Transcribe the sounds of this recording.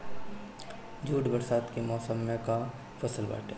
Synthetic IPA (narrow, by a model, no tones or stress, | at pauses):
d͡ʒʱuːʈbɐɾsaːd̪kemɔːsəmːẽka | fʰɐsəlba̰ːʈe